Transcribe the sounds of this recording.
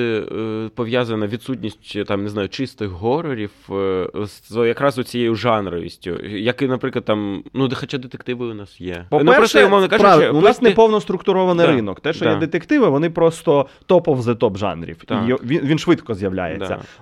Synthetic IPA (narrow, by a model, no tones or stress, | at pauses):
pɔʋʲjazɐnɐʋʲid̪sutʲnʲisʲtʲt̪ɑmneznɑjʊt͡ʃɪst̪ɪxɦɔɾɔɾʲiwsjɐkɾɑzʊt͡sʲijejʊʒɑnɾɔ̰jḭsʲtʲʊ̰jɐkɪnɐpɾɪklˠɐd̪tɑmnud̪xɔt͡ʃad̪et̪e̥kt̪ɪʋɪʊnɑsjɛpɔnɛɾɔsʃʊmɔʋnɐkapʋ̪ʊnsneɛpɔwnɔst̪ɾʊkt̪ʊɾɔʋɐnɪjɾɪnɔkt̪ɛʃt͡ʃɔjɛd̪et̪ekt̪ɪʋɪʋɔnɪpɾɔst̪ɔt̪ɔpɔwzɪt̪ɔbʒɑ̰nɾʲḭwijʋʲiʋʲinʃʋɪt̪kɔzjɐʋlʲa̰jḛt͡sːɐ̰